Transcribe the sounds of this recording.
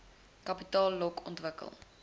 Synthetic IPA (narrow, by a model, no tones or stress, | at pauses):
kɐpitɑːlːɔkʰɔ̰ntvəkə̰lˠ